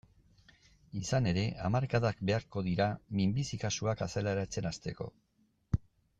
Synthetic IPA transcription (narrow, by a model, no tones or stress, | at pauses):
isane̞ɾe̞ʔamaɾkaðakbe̞aɾko̞ðiɾamimbisikasuakaselaɾat͡se̞nast̪e̞ko̞̰